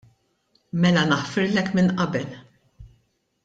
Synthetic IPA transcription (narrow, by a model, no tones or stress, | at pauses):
mɛlɐnɐħfɪɾlɛkmɪnʔɐbɛl